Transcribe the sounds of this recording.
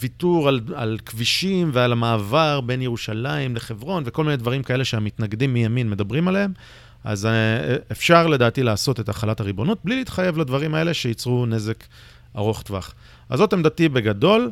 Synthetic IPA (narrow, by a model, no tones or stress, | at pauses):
vit̪uʁalalkviʃimvealamaːvaʁbe̞njeʁuʃalaimleχe̞vʁo̞nve̞ko̞lmined̪vaʁimkae̞le̞ʃeamit̪naɡd̪imːijaminme̞dabʁimaleem | a̰zefʃaʁle̞daːtilaːso̞te̞taχalataʁibo̞nut̚bliliːtχaje̞vladvaʁimae̞le̞ʃe̞jit͡sʁune̞ze̞k | aʁo̞χt̪va̰χ | a̰zo̞temd̪atibe̞ɡado̞l